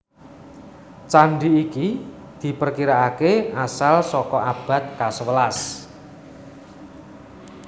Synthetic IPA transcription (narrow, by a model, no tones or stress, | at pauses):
t͡ʃaɳɖiːki | d̪̥i̤pərkiɾaakeasalsɔkɔʔab̥ä̤t̪̚kasəwəlas